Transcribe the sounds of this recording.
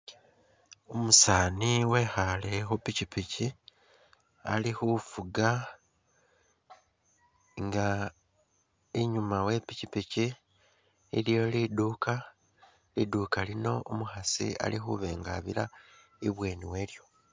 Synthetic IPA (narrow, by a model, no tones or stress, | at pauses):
omusaːniwe̞xale̞xupicipici | a̰lixufuɡa | ŋɡa | iɲumawe̞picipiciː | ljo̞liduka | liduːkalino̞ʔomuxasḭa̰lixuβe̞ːŋɡaβḭla | iβwe̞ːniwe̞ːɾjo̞